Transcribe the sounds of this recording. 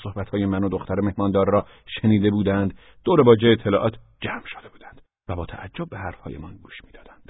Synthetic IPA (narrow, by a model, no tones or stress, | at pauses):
sohbæt̪hɒːjemænod̪oxt̪æɾeme̞hmɒːnd̪ɒːɾːɒː | ʃeniːd̪e̞buːd̪ænd̪ | d̪oːɾe̞bɒːd͡ʒeet̪ʰːelɒ̰ːʔɒːt̪ʰ | d͡ʒæmʃod̪e̞buːd̪ænd̥̪ | væbɒːt̪ʰæ̰ʔæd͡ʒːob̚ːehæɾfhɒ̰ːjḛmɒnɡuːʃmiːd̪ɒːd̪ænd̪̥